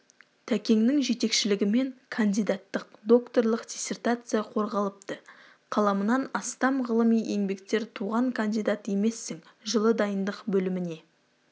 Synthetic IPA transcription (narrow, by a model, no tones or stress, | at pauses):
t̪ʰækʲe̞ŋnɪŋʒe̞t̪e̞kʃɪlɪɡʲɪme̞ŋkʰand̪ijd̪at̪ːəq̚d̪o̞kt̪o̞rlˠəqd̪̥ʲisʲe̞rt̪at̪sɨjaqʰo̞ɾʁɑlˠəp̚t̪ə | qʰɑlˠɑmənɑnɑst̪ɑmʁəlˠəmijʔe̞ŋbe̞kt̪e̞ɾt̪ʰuʁɑŋkʰand̪ijd̪at̪je̞me̞sːɪŋ | ʒəlˠəd̪ɑjənd̪əqbɵlɪmɪne̞